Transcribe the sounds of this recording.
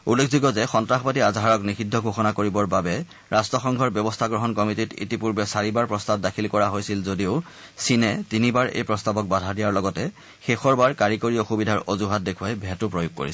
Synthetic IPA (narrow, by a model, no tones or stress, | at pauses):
ulːekʰzuɡɔzɛxɔntɹaxɔpatiazaɹɔknixidʱːɔɡʱoxɔnakoɹibɔɹbabɛ | ɹastɹɔxɔŋɡʱɔɹbjɔbɔstʰaɡɹɔɦɔnkɔmititḭtipuɹbɛsaɹibaɹpɹɔstabdakʰilkɔɹaɦojsilzodiʊ | sinɛtinibaɹḛjpɹɔstabɔk̚badʱadijaɹlɔɡɔtɛ | xexɔɹbaɹkaɹikoɹijɔxubidʱaɹɔzuɦat̚dekʰuajbʱɛtʊpɹojʊɡ̚ko̰ɹisɛ